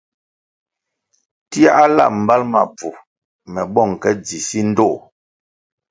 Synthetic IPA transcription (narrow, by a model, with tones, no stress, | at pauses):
ti˦a˦ʔa˦la̰˦˨m̩˨ba˦lma̰˨b͡vu˨ | mɛ˨ɓɔ˦˨ŋ˨kɛ˦d͡zi˨si˦n̩˦do˦˨